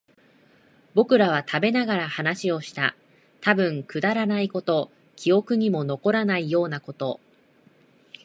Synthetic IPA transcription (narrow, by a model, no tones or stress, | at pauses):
bo̞kɯ̟ɾaβ̞at̪ʰabe̞naɡaɾahanaɕio̞ɕi̥t̪a̰ | t̪abɯ̟̃ŋkɯ̟d̪aɾanaiko̞t̪o̞ | kʲʰio̞kɯ̟ɲ̟imo̞no̞ko̞ɾanaijo̞ːnako̞t̪o̞